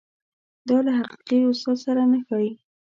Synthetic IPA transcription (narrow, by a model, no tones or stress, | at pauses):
d̪ɑlaɦaqi̥qiʊsɑsaɾanəxɑwi